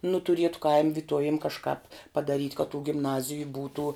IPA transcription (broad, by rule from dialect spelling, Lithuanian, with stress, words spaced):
nʊ tʊˈrʲiɛtʊ kɐɪmʲ ʋʲɪˈtuɔʋʲɪm kɐʃˈkɑːp pɐdɐˈrʲiːtʲ kɐ tuː ɡʲɪmˈnɑːzʲɪjʊ ˈbuːtuː